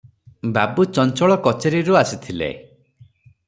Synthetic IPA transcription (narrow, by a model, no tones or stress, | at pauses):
babut͡ʃɔnt͡ʃɔɭɔkɔt͡ʃeɾiɾuasit̪ʰilḛ